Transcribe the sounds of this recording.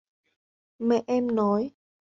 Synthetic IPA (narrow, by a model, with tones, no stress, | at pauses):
mɛ̰˧˨ʔɛ˧mnɔ˨˦j